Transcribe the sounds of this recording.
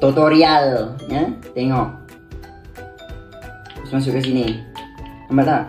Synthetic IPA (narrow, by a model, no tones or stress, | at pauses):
t̪ot̪oɾialjat̪ɛŋɔk̚ | usmãs̬ukas̬ini | ambat̪aʔ